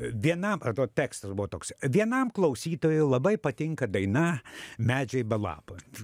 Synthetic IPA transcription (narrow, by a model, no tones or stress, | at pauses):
ʋʲiɛnɐmɐt̪oːt̪ʲæːkst̪ɐsbʊʋɔːt̪oːksʋʲiɛnɐmklˠɐʊsʲiːt̪oːjʊɪlˠɐbɐɪpɐt̪ʲɪŋkɐd̪ɐɪnɐmʲæːd͡ʒʲɛɪbɐlˠɑ̰ːpoː